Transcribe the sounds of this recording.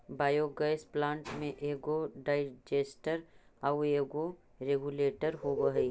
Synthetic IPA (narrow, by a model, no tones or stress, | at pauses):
baːjoɡɐsplãːɳʈmẽʔeːɡoɖaːɪd͡ʒeːsʈəɾaweːɡo | ɾeːɡuleːʈəɾɦobəɦe